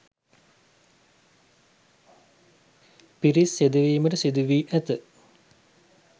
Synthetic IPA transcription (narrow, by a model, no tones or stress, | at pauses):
piɾisːed̪əʋiːməʈəsid̪uʋiːʔæt̪ə